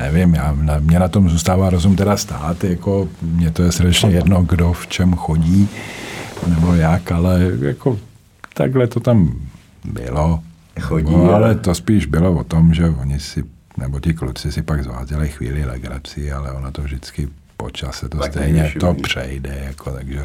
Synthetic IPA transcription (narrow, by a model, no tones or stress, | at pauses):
nɛvɪmjaːnamɲɛnat̪omzuːst̪aːvaːɾozumt̪ɛdast̪aːt̪jako̞mɲɛt̪ojɛsɾr̩dɛt͡ʃɲɛjɛdnoɡdoft͡ʃɛmxoɟiː | nɛbo̞jakalɛja̰ko | t̪a̰ɡɦlɛt̪o̞t̪am | bɪ̰lo | ɡoalɛt̪ospiːʒbɪlovot̪omʒɛvoɲɪsɪ | nɛbot̪ɪklut͡sɪsɪpaɡzva̰ːzɛlɪxvḭːlɪlɛ̰ɡɾa̰t͡sɪalɛonat̪ovʒdɪt͡skɪ | po̰t͡ʃasɛt̪ost̪ɛjɲɛt̪opr̝̥ɛ̰jdɛjakʰot̪aɡʒɛ